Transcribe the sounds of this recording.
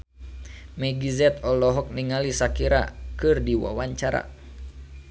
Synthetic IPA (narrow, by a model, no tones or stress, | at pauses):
mɛɡizɛt̪ɔlɔɦɔk̚niŋalisakiɾa̰kɨrdiwa̰waɲt͡ʃaɾa̰